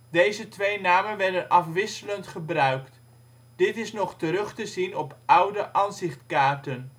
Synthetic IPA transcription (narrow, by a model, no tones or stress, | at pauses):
dejzətʋejnaːmənʋɛɹdənʔɑfʋɪsələntχəbrœɥkt | d̥ɪtɪsnɔχtəɾɵχtəzinɔpʌwdəʔɑnzɪχtkaːɹtən